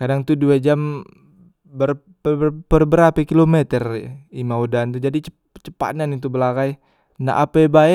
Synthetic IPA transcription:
kadaŋt̪uduad͡ʒam | bər | pəpərbəɾapɛkilomɛt̪ərimaudant̪ud͡ʒadit͡ʃə | t͡ʃə̥pa̰nanit̪̬ubəlaɡaj | na̰ʔa̰pɛbaɛ

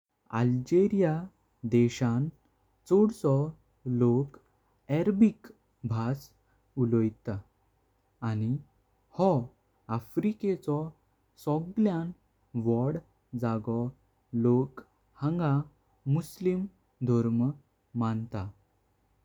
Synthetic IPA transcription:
a̰ld͡ʑeɾija | d̪ɛɕãn | t͡sɔɽsɔ | lok | ɛɾbik | bʱas | ulɔjt̪aː | ni | hɔ | afɾiket͡sɔ | sɔɡljãn | ʋɔɽ | d͡zaɡɔ | lok | hə̃ŋɡa | muslim | d̪ʱɔɾm | mant̪a

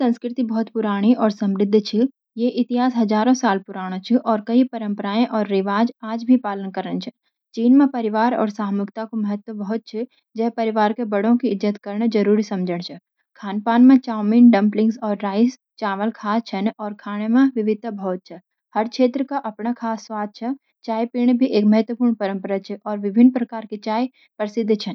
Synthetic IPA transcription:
sɐ̃nskɾɪt̪ibɔɦt̪pʊɾaːɽ̃iʔɔːɾsɐ̃mɾɪd̪ʱːt͡ʃʰi | jeʔɪt̪ɪɦaːsɦɐzaːɾõsaːlpʊɾaːɽ̃õt͡ʃʰiʔɔːɾkɐipɐɾə̃mpəɾaːẽʔɔːɾːɪʋaːd͡ʒaːd͡ʒbʱipaːlənkəɾənt͡ʃʰɛ̥ | t͡ʃiːnmẽpɐɾɪʋaːɾɔ̰ːɾsaːɦmʊkt̪akomɐɦət̪wəbɔɦʊt̪̚t͡ʃʰi | d͡ʒɛːpɐɾɪʋaːɾkebɐɽõkiɪzət̪kɐɾɳ̃d͡ʒɐɾuːɾisɐ̃md͡ʒʱəɽ̃t͡ʃʰɛ | kʰaːnpaːnmẽt͡ʃaːminɖə̃mplɪ̃ŋɡsɔːɾːaːɪs | t͡ʃaːʋəlkʰaːt͡ʃʰənɔːɾkʰaːɽ̃emẽʋɪʋɪd̪ʱbʱɔːt̪̚t͡ʃʰɛ | həɾkʰeːt̪ɾəkaʔɐpnakʰaːsːwaːd̪̚ʱt͡ʃʰɛ | t͡ʃaːjpiːɽ̃ebʱiʔeːkməɦət̪wəpuːɾɳ̃pəɾə̃mpəɾat͡ʃʰɛʔɔːɾʋɪbʱɪnːpɾəkaːɾkit͡ʃaːj | pɾəsɪd̪ʱːt͡ʃʰən

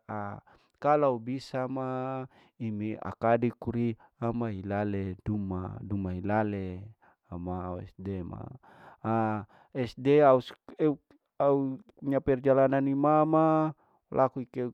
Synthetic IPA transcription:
a | kalaubisama | imia̰kadikuɾiamaɦilaleduma̰dumaɦilale | amaɛ̰sdema̰ | a | ɛsdeauseu | au | ɲapɛrd͡ʒalananimama | lʔakuike

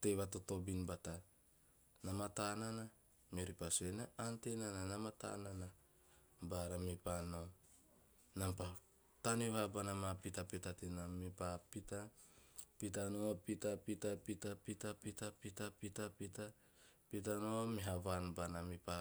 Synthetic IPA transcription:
tejβatoto̞binbata | namatanana | mioɾipasenaantenananamata̰nana | baɾamipano | nampa | taniβabanamapitapitatenamipapita | pit̬anoapitapitapitapitapitapitapitapita | pit̬anoamiɦaβanbanamipa

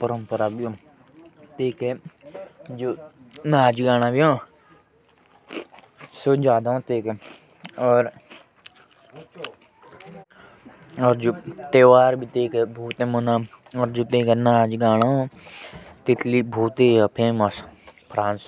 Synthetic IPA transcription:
pəɾəmpəɾaːbiõː | t̪eːke | d͡ʒoːnaːd͡ʒɡaːñaːbijõː | soːd͡ʒaːd̪ãt̪eːke | ɔːɾ | ɔːɾd͡ʒoːt̪eːʋaːɾbit̪eːkebʱuːt̪ẽːmənãːɔːɾd͡ʒoːt̪eːkenaːd͡ʒɡaːnaõ | t̪ɪt̪liːbʱuːt̪eːəpʰeːməspʰɾãːns

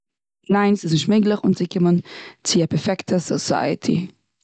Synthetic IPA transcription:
naɪnsɪsnɪʃtmɪɡlˠəχʊnt͡sɪkɪmənt͡sɪapɛɾfɛktʰəsɔsa̰ɪə̰tʰḭ

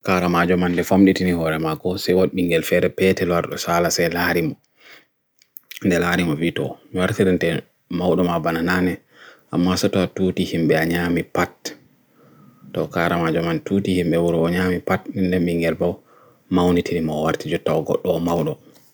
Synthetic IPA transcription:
kaɾamad͡ʒɔmandɛfamɗitinihɔɾɛmaɡɔsɛjwoɗɓiŋɡɛlfɛɾɛpɛtɛlwaɾɗɔsalasɛjlaɾimɔ | ndɛlaːɾimɔvitɔ̰miwaɾtiɾintɛ | mawɗɔmabanananɛ | ʔamːasɔtɔatuːtihimɓɛaɲamipat | tɔkaɾamad͡ʒɔmantuːtihimɓɛwuɾɔːɲaːmipatnindɛɓiŋɡɛlbaw | mawnitʰinimɔwaɾtid͡ʒɔtːawɡɔ̰ɗːɔmawɗɔ

